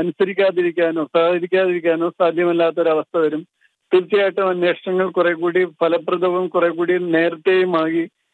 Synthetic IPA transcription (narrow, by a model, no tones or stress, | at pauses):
ɐnusɐɾikʲːaːðiɾikʲːaːno̞ːsaːd̪ʱɐɾikʲːaːðiɾikʲːaːno̞ːsaːd̪ʱjɐmɐlːaːt̪ːo̞ɾɐʋɐst̪ʰɐʋɐɾum | t̪iɾit͡ɕːɐjaːjʈːɐmɐnːe̞ːʂɐɳɐŋːɐɭkurekːuːɽipʰɐlɐpːrɐd̪ʱɐʋɐmkurek̬ːuːɽine̞ːrɨt̪ːejumaːɣi